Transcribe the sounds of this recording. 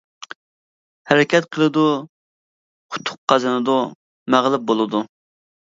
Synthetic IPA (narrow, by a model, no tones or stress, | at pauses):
hɛɾɪkʲɛt̪qʰəlˠɨd̪u | qʰʊ̥t̪ʰːʊ̥qqːɑzɨnɨd̪o | mæʁlˠɪp̚bolˠɨd̪u